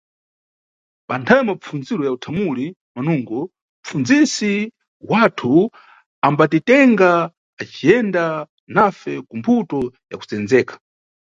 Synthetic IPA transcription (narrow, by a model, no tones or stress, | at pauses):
pantʰajɔmap͡fund͡ziɾɔjautʰamuli | manuŋɡɔ | m̩p͡fund͡zisi | watʰu | ambatitɛŋɡaː | t͡ʃijɛnda | nafɛkumbʰutɔja̰ku̥t͡sɛnd͡zɛːkḁ